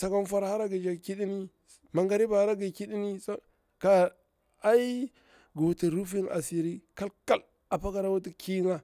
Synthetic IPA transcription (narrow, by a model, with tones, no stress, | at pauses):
sa˨ka˦n˦fa˦ɾha˦ɾa˦ɡi˨d͡ʒa˨ki˦di˦ni˦ | ma˨ŋɡa˨ɾi˦ba˨ha˦ɾa˦ɡi˨ki˦ɗi˦ni˦sa˦ | ka˨ | a˦i˦ | ɡo˨ti˨ɾu˦fi˦na̰˨si˨ɾi˦ka˦lka˦l | a˨pa˦ka˨ɾa˦wu˦t̬i˦ki˦ŋa˦